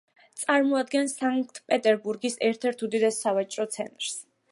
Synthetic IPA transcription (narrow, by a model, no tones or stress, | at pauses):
t̪sʼaɾmɔad̪ɡɛnsaŋk̚t̪ʰpʼɛt̪ʼɛɾbuɾɡisɛɾt̪ʰɛɾt̪ʰud̪id̪ɛsːavat͡ʃʼɾɔt̪sʰɛ̰nt̪ʼɾs